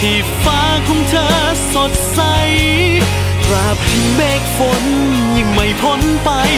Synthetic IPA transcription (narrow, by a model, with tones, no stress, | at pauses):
t̪ʰiː˧˩ | faː˧˥kʰɔ˧˥ŋt͡ɕʰɤː˧˥ | so˧˩t̪̚sa˧j | ɾa˧˩p̚hiː˧˩beː˨˩k̚fo˧˥n | ɲɯ˧˩ŋma˧˩jpʰo˧˥npa˧j